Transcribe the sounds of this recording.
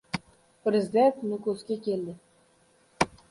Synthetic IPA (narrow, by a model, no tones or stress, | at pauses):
pɾʲezʲɪd̪ent̪nukɵskʲekʲeld̪ɪ